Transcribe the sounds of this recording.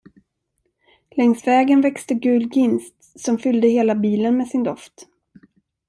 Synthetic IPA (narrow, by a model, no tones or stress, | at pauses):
lɛŋsvɛːɡənvɛkst̪əɡʉ̟ːlɡɪnst̪sɔmfʏld̪əheːlabiːlənmɛsɪnd̪ɔft̪